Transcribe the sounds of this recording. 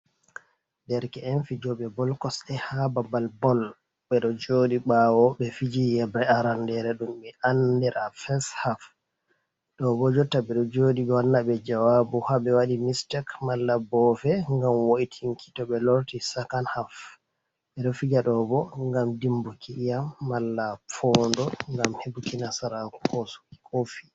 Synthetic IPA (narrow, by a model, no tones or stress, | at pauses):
dɛɾkɛɛnfid͡ʒɔɓɛbɔlkɔsɛhababalbɔl | ɓɛɗɔd͡ʒoɗiɓawɔɓɛfid͡ʒijɛbɾɛaɾandɛɾɛɗumɓɛʔandɛɾʔafɛshaf | ɗɔbɔd͡ʒɔtːaɓɛɗɔd͡ʒoɗiɡɔnːaɓɛd͡ʒawabuhaɓɛwaɗimistɛkmalːabɔfɛŋɡamwoʔitʰiŋkʰi̥tɔɓɛloɾtisakanhaf | ɓɛɗɔfid͡ʒaɗɔbɔŋɡamdimbukʰiijamːalːafɔndɔŋɡamhebukinasaɾaku̥kɔsu̥ki̥kʰofi